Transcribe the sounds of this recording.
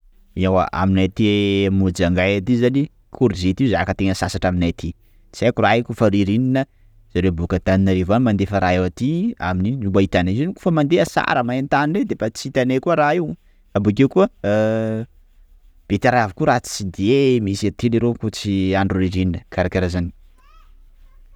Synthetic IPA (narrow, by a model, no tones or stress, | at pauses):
iawa̰ʔa̰minat̪imud͡ʒaŋɡajat̪izani | kʰuɾizet̪iuzakət̪eŋəsasaʈ͡ʂaminat̪ʰi | t͡sajkuraikufaɾiɾininə | z̥aɾewbukat̪aninaɾevamand̪efəɾaewat̪ia̰miniumbait̪anezinikufəmand̪eəsa̰ɾəmaent̪anined̪efat͡sit̪anekuəɾaiw | abuk̬ewkuə | b̥et̪aɾaavikuɾat͡st͡sid̪iemisat̪iliɾekut͡siaɳɖ͡ʐuriɾininəkʰaɾakeɾazani̥